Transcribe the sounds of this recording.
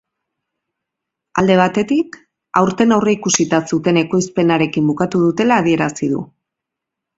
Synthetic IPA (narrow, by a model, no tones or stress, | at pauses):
ald̪e̞β̞at̪e̞t̪ik | a̰wɾt̪e̞nawreikusit̪asut̪e̞ne̞ko̞jspe̞naɾe̞kimbukat̪uðut̪e̞laːð̞ie̞ɾasið̞ṵ